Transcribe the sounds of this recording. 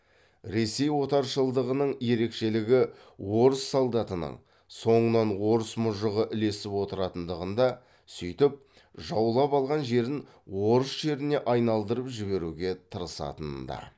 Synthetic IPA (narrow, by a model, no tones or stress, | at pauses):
ɾe̞se̞jwo̞t̪ɑɾʃəlˠd̪əʁənəɴje̞ɾe̞kʃe̞lɪɡʲɪ | wo̞ɾəsːolˠd̪ɑt̪ənə̰ɴ | so̞ɴənɑnwo̞ɾəsmʊʒəʁəʔɪle̞sɪpwo̞t̪əɾɑt̪ənd̪əʁənd̪ɑ | sʏjt̪ɪp̚ | ʒɑwlˠɑpɑlˠʁɑnʒe̞ɾɪŋ | wo̞ɾəsʒe̞ɾɪne̞ʔɑjnɑlˠd̪əɾəpʒɪβe̞ɾuɡʲe̞t̪ʰəɾəsɑ̰t̪ənd̪ɑ̰